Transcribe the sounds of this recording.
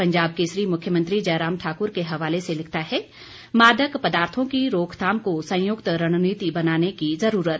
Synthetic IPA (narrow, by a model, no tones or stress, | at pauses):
pɐ̃ɲd͡ʒaːb̚keːsɾimʊkʰjəmə̃nt̪ɾid͡ʒɐːɾaːmʈʰaːkʊɾkeɦɐʋaːleselɪkʰt̪aɦɛ | maːd̪əkpɐd̪aːɾt̪ʰõkiɾoːkʰt̪ʰaːmkosɐ̃jʊkt̪ɾɐɽ̃niːt̪ibɐnaːnekizɐɾuːɾət̪̚